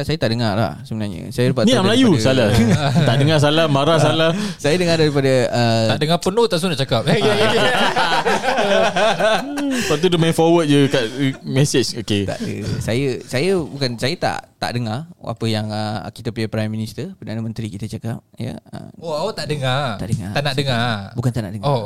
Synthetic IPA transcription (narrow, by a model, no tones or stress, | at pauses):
sajət̪aʔdəŋarla̰hsəbənaɲə̰sajəlupaʔnĩaməlajussalat̪aʔdəŋas̬alahmaɾahs̬alasajadəŋadaɾipadaəaʔdəŋapənot̪asunaʔt͡ʃakap̚ | pat̪̬udəmafɔwət̪̚d͡ʒəkaʔ̚mɛset͡ʃoket̪a̰ʔdə̰sajəsajəbukansajət̪a̰ʔt̪a̰ʔdəŋara̰pəjaŋəkit̪əpiapɾajmːĩnist̪ərpədanamə̃nt̪ɾikit̪at͡ʃakap̚jə̰ə̰moat̪aʔdəŋat̪a̰ʔdəŋa̰t̪anaʔdəŋabukant̪aʔna̰ʔdəŋo